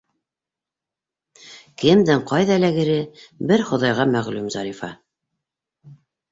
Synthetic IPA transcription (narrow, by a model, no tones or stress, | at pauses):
kɘmd̪ɘɴqɑjðɑlæɡɘ̆ɾɘbɘɾχŏðɑjʁɑmæʁlʉmzɑɾifɑ̰